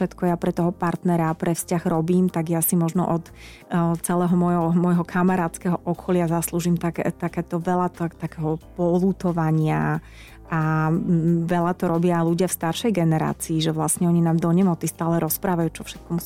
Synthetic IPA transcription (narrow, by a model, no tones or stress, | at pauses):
ʃɛt̪kɔjapɾɛt̪ɔɦɔpaɾt̪nɛɾaːpɾʔɛfscaɣɾɔbiːmt̪aɡjasimɔʒnɔ̰ʔɔt̪ | t͡sɛlɛːɦɔmɔjɦɔmɔjɦɔkʰamaɾaːt͡skɛɦɔʔɔkʰɔlɪazasluːʒiːmt̪akɛt̪akɛːt̪ɔʋɛlat̪ɔt̪akɛɦɔpɔluːt̪ɔʋaɲɪa | ʔa | ʋɛʎat̪ɔɾɔbɪaːjluɟɪafst̪aɾʃɛjɡɛnɛɾa̰ːt͡siːʒɛʋlasɲɛɔɲinaːmd̪ɔɲɛmɔt͡sist̪aːlɛɾɔspɾaːʋajuːt͡ʃɔfʃɛ̥t̪̚kɔmus